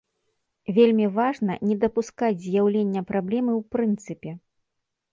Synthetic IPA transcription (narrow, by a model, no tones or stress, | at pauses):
vʲelʲmʲivaʐnɐnʲɛd̪ɐpuskad͡zʲzʲjawlʲenʲːɐpɾablʲɛmɨwpɾɨnt̪sɨpʲɛ